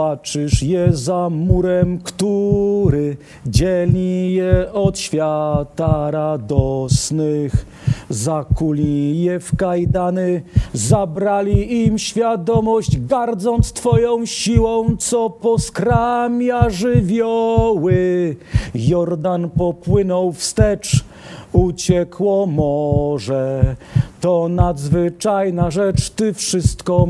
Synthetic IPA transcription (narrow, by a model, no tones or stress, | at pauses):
at͡ʂɘʂjɛzamuɾɛmkt̪uɾɘ | d͡ʑɛlʲijɛɔt̪ɕfʲjat̪aɾad̪ɔsnɘx | zakulʲijɛfkajd̪anɘzabɾalʲiimɕfʲjad̪ɔmɔʑd͡ʑɡaɾd̪zɔnt̪st̪fɔjɔ̃w̃ɕiwɔ̃w̃t̪sɔpɔskɾamʲjaʐɘvʲjɔwɘ | jɔɾd̪anpɔpwɘnɔwfst̪ɛt͡ʂ | ut͡ɕɛkwɔmɔʐɛ | t̪ɔnad̪zvɘt͡ʂajnaʐɛt͡ʂt̪ɘfʂɘst̪kɔ